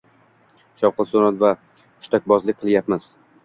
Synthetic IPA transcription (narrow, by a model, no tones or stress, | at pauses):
ʃɒwqɨlˠt̪sonat̪va | ʊʃt̪ʰak̚ʲbɒzlɪk̚ʲqʰɨlˠjapmaz̥